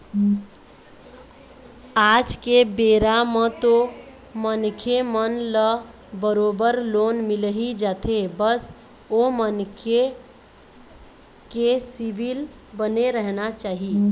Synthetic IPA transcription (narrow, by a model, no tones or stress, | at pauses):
ad͡ʒkebeɾamet̪o | mənkʰemənlə | bəɾobəɾlonmilɦid͡ʒat̪ʰebəs | omənkʰe | kesibʱil | bəneɾəɦnat͡ʃaːɦi